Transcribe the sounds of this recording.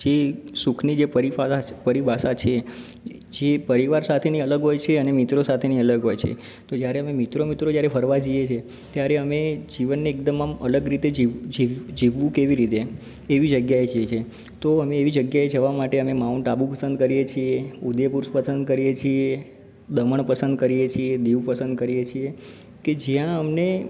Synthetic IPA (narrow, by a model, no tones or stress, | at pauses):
d͡ʒesukʰnid͡ʒepəɾiapəɾibʱasat͡ʃʰe | d͡ʒepəɾiʋaɾsat̪ʰeniələɡɦojt͡ʃʰeənemit̪ɾosat̪ʰeniələɡɦojt͡ʃʰḛ | t̪od͡ʒjaɾeəmemit̪ɾomit̪ɾod͡ʒjaɾefʰəɾʋad͡ʒiet͡ʃʰe | t̪jaɾeəmed͡ʒiʋənːeːk̚d̪əməmələɡɾit̪ed͡ʒid͡ʒiʋd͡ʒiʋːũkeʋiɾit̪eː | ʋid͡ʒəɡjaed͡ʒet͡ʃʰe | t̪oəmẽːʋid͡ʒəɡjaed͡ʒəʋamaʈeəmemaunʈabũpəsə̃nd̪kəɾijet͡ʃʰieud̪jepuɾspəsənd̪̚kəɾijet͡ʃʰie | d̪əməɳpəsənd̪̚kəɾijet͡ʃʰied̪iʋpəsə̃nd̪kəɾijet͡ʃʰie | ked͡ʒijãəmne